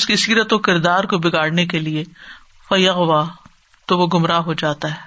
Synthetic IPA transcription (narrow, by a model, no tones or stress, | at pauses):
ʊskisiːɾət̪okɪɾd̪aːɾkobɪɡaːɽnek̬elie | fɐjɐɣʋaː | t̪oʋoɡʊmɾaɦod͡ʒaːt̪aɦɛː